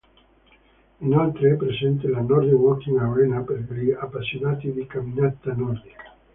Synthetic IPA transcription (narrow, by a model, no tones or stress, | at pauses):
inalt̪ɾeɛpːɾesɛnt̪̬elanɔɾd̪ewɔkːiŋawɾɛnapeɾliapːasinaːt̪id̪ikamːinat̪ːanɔrd̪ikḁ